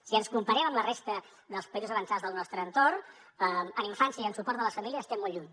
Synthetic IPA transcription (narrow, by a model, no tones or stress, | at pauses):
siənskumpəɾɛməmlərest̪ə | ðəlˠspəizuzəβənsad͡zðəlˠnɔst̪ɾəːnt̪orn | əəniɱfansiəiənsupɔɾrt̪̚ðələsfəmilijəːst̪ɛmːolˠʎuɲ